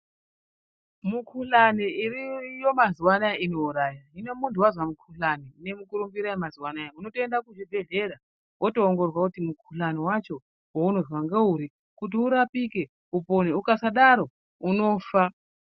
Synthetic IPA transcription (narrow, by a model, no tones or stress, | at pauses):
mukʰuɬaniirijo̞maziwanajaʔino̞uɾaːjaine̞muntuwazwamukʰuɬanine̞mukuɾumbiɾajemaziwanajauno̞toendakuʐibʱe̞ɮe̞ɾa | wʔotoːŋɡo̞rwakutimukʰuɬaniwat͡ʃo̞ | wouno̞zwaŋɡeuɾi | kut̬iuɾapike̞ | uponeukasaɗaɾo̞ | uno̞fa